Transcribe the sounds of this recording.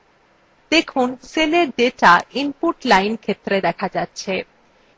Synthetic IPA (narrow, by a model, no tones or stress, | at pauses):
d̪ekʰunseleɾɖeʈaimpuʈlajnkʰet̪ːɾed̪ɛkʰad͡ʑatːɕʰe